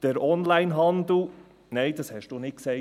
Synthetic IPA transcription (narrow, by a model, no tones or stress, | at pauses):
d̥əɾɔnlæɪnɦɑnd̪l̩ | neɪd̥̪ɑshɛʃd̥uːnɪt̚ksɛ